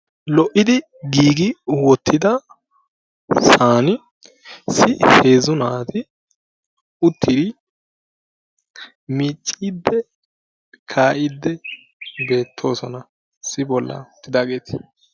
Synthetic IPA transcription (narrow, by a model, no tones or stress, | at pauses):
lɔʔɪd̪ɪ | ɡiːɡɪwɔt̪ʰːɪd̪ɐ | saːnɪ | sɪhe̞ːzʊnaːt̪ɪ | ʊt̪ʰːɪd̪ɪ | miːt͡ʃʼːid̪ːɛ | kʰaːʔɪd̪ːɛ | be̞ːt̪ʰːo̞ːsɔnɐ | sɪbɔlːɐ̰ʊt̪ːɪd̪aːɡe̞ːt̪ɪ̥